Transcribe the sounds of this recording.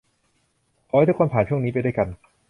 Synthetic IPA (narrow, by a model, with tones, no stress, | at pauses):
kʰɔ˨˦ha˥˩jt̪kʰa˧npʰaː˨˩˦nt͡ɕʰu˥˩ŋniː˦˥pa˧jdu˥˩ka˧n